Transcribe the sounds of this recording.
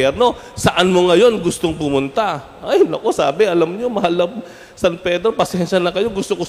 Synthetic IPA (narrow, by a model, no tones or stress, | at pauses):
ɛɾno̞ | sɐʔanmoŋɐjo̞nɡʊst̪oŋpʊmʊnt̪a | ʔajɪmnɐko̞sa̰ːbɛʔɐlɐmɲomɐɦalːɐ | sɐnpɛːd̪ɾopɐsjɛnʃɐnɐkɐjo̞ɡʊst̪oko